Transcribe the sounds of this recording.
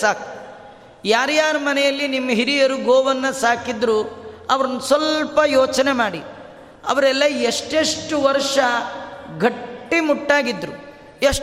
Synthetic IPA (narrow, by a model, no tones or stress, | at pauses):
saːku̥ | jaːɾjaːɾumɐnɛjɐlːinimːɐɦiɾijɐɾuɡoːʋɐnːɐsaːkid̪ɾuɐʋɐɾɐnːɐsʋɐlpɐjoːt͡ʃɐnemaːɽi | ɐ̰ʋɐɾɛlːɐeʂʈeʂʈuʋɐɾʂɐɡʱɐːimuʈːaːɡid̪ːɾu | eʂ